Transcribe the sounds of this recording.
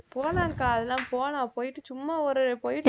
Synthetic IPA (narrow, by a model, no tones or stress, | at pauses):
poːnãːŋkaːɐðɛlãːpoːnãːpoːjɪʈːɯt͡ʃʊmːaːɔɾɯpoːjɪʈː